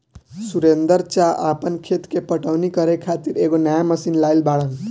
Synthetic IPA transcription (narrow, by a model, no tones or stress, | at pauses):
suɾend̪əɾt͡ʃaʔapənkʰet̪kepəʈəwnikəɾekʰat̪iɾeɡonəjaməsinlajlbaɽəl